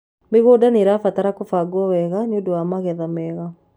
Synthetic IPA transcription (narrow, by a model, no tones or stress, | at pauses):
meɣoːdaneɾafataɾakofaɡwɔwɛɣaɲodowamaɣɛðamɛɣa